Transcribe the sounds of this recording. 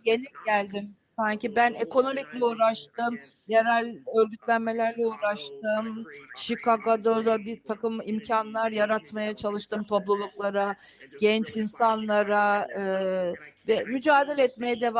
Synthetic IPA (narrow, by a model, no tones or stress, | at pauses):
ɟe̞niɟælʲd̪im | saɲcibæne̞kʰo̞no̞miclʲɛuːɾaʃt̪ɯm | jaɾalʲø̞ɾʲɡyt̪lʲænme̞lʲæɾlʲɛuːɾaʃt̪ɯmʃikaɡad̪od̪abit̪ʰakɯmimcʰanlˠaɾjaɾat̪majat͡ʃʰalˠɯʃt̪ɯmt̪ʰo̞plˠulˠuklˠaɾaɟ̥ɛnt͡ʃinsanlˠaɾaɯːvɛmyd͡ʒaːd̪ilʲɛt̪me̞jɛd̪e̞va